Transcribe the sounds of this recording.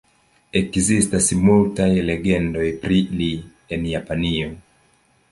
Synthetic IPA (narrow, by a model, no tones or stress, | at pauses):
e̞kzistasmultajle̞ɡe̞ndo̞jpɾili | e̞njapanio̞